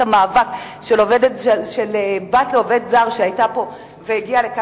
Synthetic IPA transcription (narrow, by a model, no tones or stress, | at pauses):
amaːvakʃeloved̪etʃelebat̪leoved̪zaʁʃeajtapo̞ | veiɡialeka